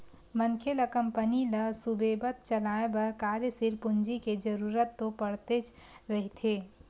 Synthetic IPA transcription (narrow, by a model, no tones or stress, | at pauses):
mənkʰeləkəmpəniləsubebət̪t͡ʃəlaebəɾkaɾsiɾpʊnd͡ʒiked͡ʒəɾuɾət̪ːopəɽt̪et͡ʃɾəɦit̪ʰe